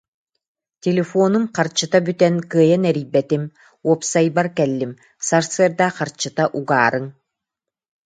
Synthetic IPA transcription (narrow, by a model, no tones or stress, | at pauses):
t̪ʲelʲefɔːnumqaɾt͡ɕɯt̪abyt̪ɛnkɯːjanɛɾijbɛt̪im | uɔpsajbaɾkɛlʲːim | saɾsɯɐɾd̪aqaɾt͡ɕɯt̪aʔuɡa̰ːɾɯŋ